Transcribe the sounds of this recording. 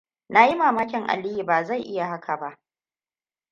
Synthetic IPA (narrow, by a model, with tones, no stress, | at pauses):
na˨ji˦maː˨maː˦kʲɪ˨ŋʔa̰˨li˦ji˨baː˨za˦˨jʔɪ˦ja˨ɦa˦kʰa˨ba˦ʔ